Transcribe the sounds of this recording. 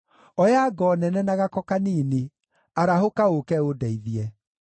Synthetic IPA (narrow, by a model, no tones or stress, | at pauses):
ɔjaɡɔnɛnɛnaɣakɔkaniːne | aɾaɦokaokɛodɛiðiɛ